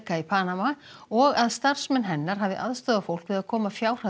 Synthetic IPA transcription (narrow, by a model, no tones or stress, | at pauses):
kaipʰaːnamaɔɣaðst̪ar̥smɛnɦɛnːaɾ̥ɦaːvðɪʔa̰ðst̪ɔːðafowl̥kvɪðaðkʰɔːmafjaːwr̥ha